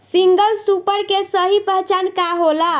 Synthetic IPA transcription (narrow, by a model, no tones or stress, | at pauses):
siŋɡəlsupəɾkesəɦipəɦt͡ʃankaɦola